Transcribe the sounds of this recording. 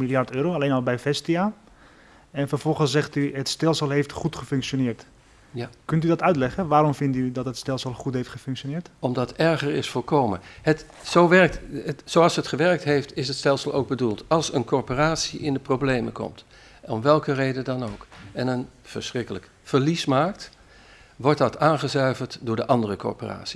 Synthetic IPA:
milˠjaɹtøːɾoalejnɔlˠbɛjfɛstia | ɛnfəfɔlˠχəszɛχtyɦətstɛlˠsəlˠɦeftχutχəfʏŋkʃonɪːɹt | kɵntydɔtœɥtlɛχəʋaːɾɔmfɪntydɔtɦətstɛlˠsəlˠχutɦejftχəfʏŋksʃjonɪːɹtɔmdɑtɛɹχəɹɪsfoːlkowmə̰ət | sowʋɛɹk̚təsowɑlˠsɦətχəʋɛɹk̚tɦejftɪsətstɛlˠsəlˠo̰wɡ̚bədulˠtɑlˠsənkɔɹporaːtsiʔɪndəprowblejmə̰kɔ̰mt | ɔmʋɛlˠkərejdədɑnowkɛnənv̥əɹsrɪkələk | fəɹlismaːkt | ʋɔɹt̚dɑtaːnχəzœɥvəɹtdʊːɹdəʔɑndərəkɔ̰ɹpo̰ra̰ːtsi̥

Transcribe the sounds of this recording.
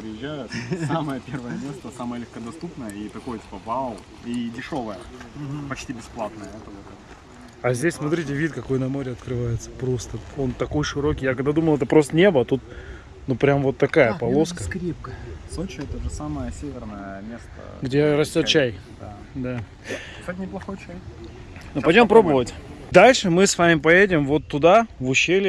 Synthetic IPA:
pɾʲɪjɪʑʲːæjʊt̪saməjəpʲe̞rvəjəmʲe̞st̪əsaməjəlʲɪxkəd̪ɐst̪upnəjəit̪ɐko̞jətʲi̥pəvalʊlˠ | idʲɪʂo̞vəjəpɐt͡ɕtʲibʲɪsplˠat̪̚nəjəɛt̪əvot̪ɛt̪ | ɐzʲdʲesʲsmɐt̪ɾʲitʲɪvʲit̪kɐko̞jnɐmo̞ɾʲɪɐt̪kɾɨvajɪt̪sə̥pɾo̞st̪əo̞nt̪ɐko̞jʂɨɾo̞kʲijakɐɡ̚d̪ad̪uməlˠɛt̪əpɾo̞st̪ənʲe̞bəɐt̪ut̪̚ | nupɾʲamvo̞t̪ːɐkajəpɐlˠo̞skəkɾʲep̚kəsot͡ɕɪɛt̪əʐɨsaməjəsʲevʲɪrnəjəmʲest̪ə̰ɡdʲeɾɐsʲtʲot̪̚t͡ɕæj | d̪a | d̪ḁ | satʲnʲɪplˠɐxojt͡ɕaj | nuɐjdʲompɾobəvətʲ | d̪alʲʂɨmɨsvamʲɪpɐjedʲɪmvo̞t̪ːʊd̪avʊɕːelʲɪ

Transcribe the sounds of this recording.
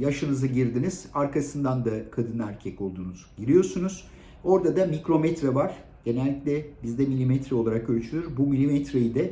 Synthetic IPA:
jaʃɯnɯzɯɟiɾd̪iniz̥aɾkʰasɯnd̪and̪akʰad̪ɯnæɾcʰɛco̞lˠd̪uːnuz̥ɟiɾʲijo̞ɾsunuz̥ | o̞ɾd̪ad̪amikɾo̞mɛt̪ɾavaɾ̥ | d̪̥e̞nɛlʲːiclʲɛbizd̪ɛmilʲimɛt̪ɾɛolˠaɾakølʲt͡ʃʰylʲyɾbumilʲimɛt̪ɾejid̪ɛ

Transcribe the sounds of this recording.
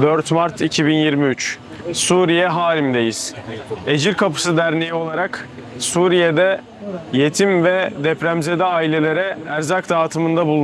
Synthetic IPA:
d̪øɾt̪maɾt̪ʰicʰibinjiɾmiyt͡ʃ | suɾijɛɦaːɾimd̪e̞jiz̥e̞d͡ʒiɾkʰapɯ̥sɯd̪æɾnejio̞lˠaɾak | suːɾijed̪ɛ | je̞t̪ʰimvɛd̪ɛpɾæmze̞d̪ɛaːilʲe̞lʲe̞ɾɛæɾzakd̪aːt̪ʰɯmɯnd̪abulˠ

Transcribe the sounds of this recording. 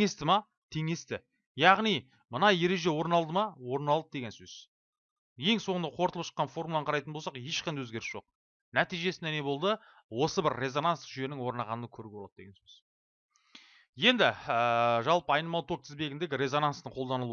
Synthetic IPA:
ŋe̞st̪ɪmɑ | t̪ʰe̞ŋe̞st̪ɪ | jɑʁnij | mənɑje̞ɾe̞ʒe̞wo̞ɾnɑlˠd̪əmɑwo̞ɾnɑlˠd̪əd̪eɡʲe̞nsɵz̥ | je̞ŋsoɴənd̪ɑqʰo̞ɾt̪əlˠəpʃə̥qːɑnfo̞rmulˠɑɴqʰɑɾɑjt̪ənbosɑqje̞ʃqʰɑnwɵzɡʲe̞ɾɪsʒ̥o̞q̚ | næt̪ijʒe̞sɪnene̞bo̞lˠd̪ə | wo̞səbɪɾːe̞zo̞nansʒʏje̞nɪŋwo̞ɾnɑʁɑnənkʰɵɾɪk̚blˠɑd̪d̪eɡʲensɵz | je̞nd̪ɪəʒɑlˠpəɑjnəmɑlˠt̪ʰo̞k̚t̪ʰɪzbe̞ɡʲɪnd̪e̞ɡʲɪɾe̞zo̞nanst̪əɴqʰo̞lˠd̪ɑnəlˠu

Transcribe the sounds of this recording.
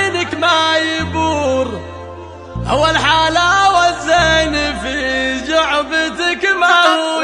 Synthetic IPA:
nɪkmajɪbuːɾ | ʔawːalħaːlawazːanifid͡ʒʊʕbɪt̪ɪkmah

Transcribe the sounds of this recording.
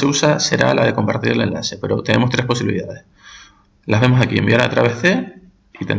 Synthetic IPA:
eusase̞ɾa̰la̰ðe̞ko̞mpaɾt̪iɾe̞le̞̰nla̰se̞pe̞ɾo̞t̪e̞ne̞mo̞st̪ɾe̞hpos̬iβiliðaðe̞s | laβe̞mosakie̞mbiaɾaot̪ɾa̰βehðe̞ | it̪e̞n

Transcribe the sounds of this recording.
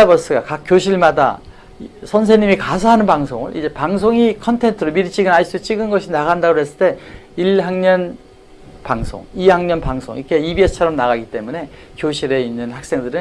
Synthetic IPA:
abʌs͈ɯɡakak͈joɕʰiɭmada̰ | sʰʌns̬ʰeɲimikasʰaɦanɯnpaŋsʰoŋɯ̰ɭḭd͡ʑe̞paŋs̬ʰoŋikʰʌntʰe̞ntʰɯɾomiɾit͡ɕʰiɡɯnais͈ɯt͡ɕ͈iɡɯnɡʌɕʰinaɣandaɡohes͈ɯɭt͈e̞ | iɭɦaŋɲʌn | paŋsʰo̰ŋiaŋɲʌnpaŋsʰo̰ŋikʰe̞ibiest͡ɕʰʌɾʌmnaɣaɡit͈e̞mune̞ | kjoɕʰiɾe̞inːɯnhak̚s͈e̞ŋdɯɾɯn

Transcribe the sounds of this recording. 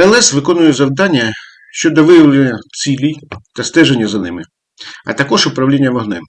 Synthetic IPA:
ɛlˠɛsʋɪkɔnʊjɛzɐwd̪ɑnʲːɐ | ʃt͡ʃɔd̪ɔʋɪjɐʋlˠenʲːɐt͡sʲilʲit̪ɐst̪ɛʒenʲːɐzɐnɪmɪ | ɐ̰t̪ɐkɔʒʊpɾɐʋlʲinʲːɐʋɔɦnɛm

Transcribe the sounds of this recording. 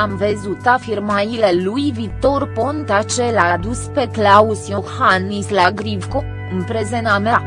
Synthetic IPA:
amvəzut̪afirmailelujvik̚t̪o̞rpont̪at͡ʃe̞lad̪uspe̞klausjohanislaɡɾivko | ɨnpɾezenamea

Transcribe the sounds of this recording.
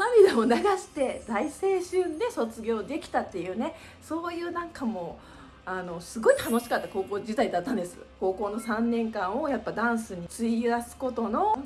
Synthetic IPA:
samʲid̪ao̞naɡaɕi̥t̪e̞zaise̞ːɕɨ̃nd̪e̞so̞t͡sɨɡʲo̞ːd̪e̞kʲi̥t̪at̪ːe̞jɯ̟ːne̞ | so̞ːjɯ̟ːnãŋkʰamo̞ | ano̞sɨɡo̞it̪ano̞ɕi̥kat̪ːako̞ːko̞ːd͡ʑit̪aid̪at̪ːãnd̪esɨ̰ko̞ːko̞ːno̞sãnːẽ̞ŋkãɰ̃o̞japːad̪ãɰ̃sɨɲ̟it͡sɨiasɨ̥ko̞t̪o̞no̞

